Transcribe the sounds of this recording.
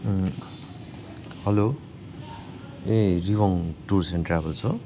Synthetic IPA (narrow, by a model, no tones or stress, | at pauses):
hʌlo | eriwʌŋʈursenʈrabʌlt͡sʰʌ